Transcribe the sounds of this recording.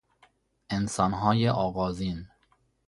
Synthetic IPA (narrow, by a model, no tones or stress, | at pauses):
ʔensɒːnɦɒːjeʔɒːɣɒːziːn